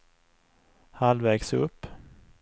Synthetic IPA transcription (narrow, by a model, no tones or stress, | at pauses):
halvɛːɡsɵpː